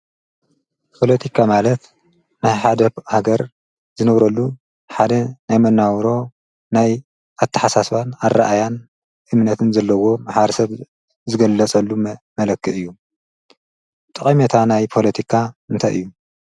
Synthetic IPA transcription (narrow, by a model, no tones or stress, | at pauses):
pʰo̞let̪ʰikʰamalɐt̪ | najħad̪ɐhaɡɐɾ | zɨnɐβɾɐlːu | ħad̪ɐnajmɐnːawɾo̞ | naj | ʔat̪ʰːɐħasaswanarːaʔajan | ʔɨmnɐt̪ʰɨnzɐlːɐwo̞maħaɾɐsɐβ | zɨɡɐlːɐt͡sʼɐlːumɐlɐkːɨʔɨjːu | t̪ʼɨkʼɐmet̪ʰanajpʰo̞lɐt̪ʰikʰaɨnt̪ʰajʔɨjːu